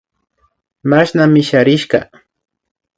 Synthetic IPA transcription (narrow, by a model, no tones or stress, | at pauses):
maʃnamɪʃaɾɪʃkɑ̰